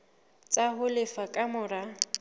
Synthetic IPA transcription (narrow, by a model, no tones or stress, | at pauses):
t͡sʼaɦʊlɪfakʼamʊɾa